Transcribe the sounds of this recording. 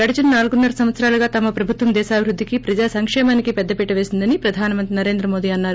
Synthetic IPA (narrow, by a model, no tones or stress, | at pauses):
ɡɐɽɐt͡ʃɐnɐnaːlɡunːɐɾɐsɐmʋɐt̪sɐɾaːlɐɡaːt̪ɐmɐpɾɐbʱut̪ʋɐmd̪ɛːʃaːbʱiɾud̪ʱːikipɾɐd͡ʒaːsɐŋkʂɛːmaːnikipɛd̪ːɐpɛʈːɐʋe̞ːsind̪ɐnipɾɐd̪ʱaːnɐmɐnt̪ɾinɐɾeːnd̪ɾɐmo̞ːd̪iːɐnːaːɾu